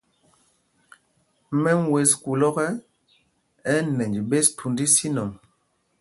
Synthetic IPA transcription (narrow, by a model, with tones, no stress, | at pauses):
mɛ˦ŋ˦we˨sku˨lɔ˦kɛ˦ | ɛ˦nɛ˨ɲd͡ʒi˨be˦stʰu˨ndi˦si˦nɔ˨m